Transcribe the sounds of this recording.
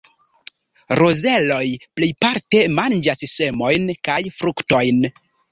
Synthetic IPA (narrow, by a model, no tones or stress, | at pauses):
ɾoze̞lo̞jplejpaɾte̞mand͡ʒasse̞mo̞jnkajfɾukto̞jn